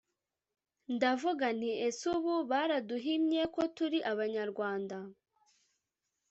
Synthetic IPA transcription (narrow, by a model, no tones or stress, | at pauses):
ndavuɡan̥iesuβuβaɾaduɦimɲe̞ko̞tuɾiʔaβaɲaɾɡwaːnda